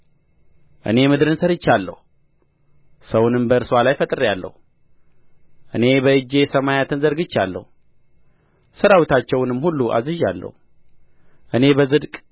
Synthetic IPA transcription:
ʔɨ̰ne̞mɨd̪ɨɾɨnsəɾɨt͡ʃːalːə̰hu | səwnɨmbəɨɾswalajfət̪ʼɨɾjalːə̰hu | ʔɨne̞bəɨd͡ʒe̞səmajat̪ʰɨnzəɾɡɨt͡ʃːalːə̰hu | səɾawit̪ʰat͡ʃːɛwnɨmːhulːuʔa̰zɨʒalːə̰hu | ʔɨne̞bəzɨd̪kʼ

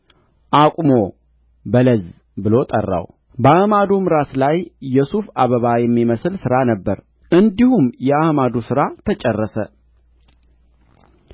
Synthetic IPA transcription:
ʔakʷʼmo̞ | bələz | bɨlo̞t̪ʼə̰rːa̰w | bəahmad̪umɾaslajːɛsufaβəβajɛmːiməslsɨɾanəbːəɾ | ʔɨnd̪ihumjɛahmad̪usɨɾat̪ʰət͡ʃʼɛrːəsə

